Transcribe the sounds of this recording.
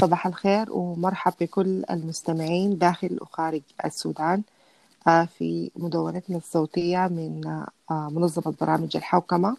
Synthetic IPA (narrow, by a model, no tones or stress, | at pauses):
sˤɑbɑːħalxeːɾwɪmɑɾˤħɑbːɪkʊlːa̰lmʊst̪amɪʕiːnd̪aːxɪlxaːɾɪɡa̰sːṵːd̪aːn | afḭmʊd̪awːanat̪nasˤːoːt̪ɪjːamɪn | mʊnɑzˤːɑmabɑɾˤɑːmɪd͡ʒa̰lħawkama